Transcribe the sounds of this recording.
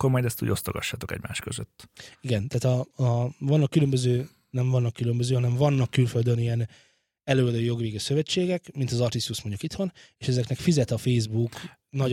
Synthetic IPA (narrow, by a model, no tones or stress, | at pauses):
kːoɾmɒjd̪ɛst̪ṵɟo̞st̪oɡɒ̰ʃːaːt̪o̞kɛ̰ɟma̰ːʃkøzø̰t̪ːiɡɛnt̪aːt̪ɒ | vɒnːɒkːylømbøzøː | nɛɱvɒnːɒkːylømbøzøːɦɒnɛɱvɒnːɒkːylføld̪ønijɛn | ɛløːɒd̪øːjo̞ɡʋeːɡisø̞vɛt͡ʃːeːɡɛkmint̪ɒzɒrt̪ist̪usmoɲɟukit̪ʋɒneːʃɛzɛknɛkfizɛt̪ɒfeːzbuk | nɒ